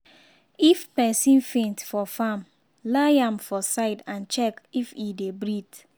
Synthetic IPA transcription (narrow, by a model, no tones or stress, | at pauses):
ifpɛsĩnfẽntfɔfam | laɪãmfɔsaɪdãnt͡ʃɛkifidebɹid